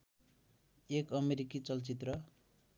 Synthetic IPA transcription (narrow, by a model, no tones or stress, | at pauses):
ekʌmeɾikit͡sʌlt͡sit̪rʌ